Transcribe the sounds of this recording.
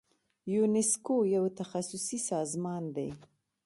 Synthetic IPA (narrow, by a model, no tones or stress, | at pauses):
juneskojawt̪axasʊsisɑzmɑnd̪ḛj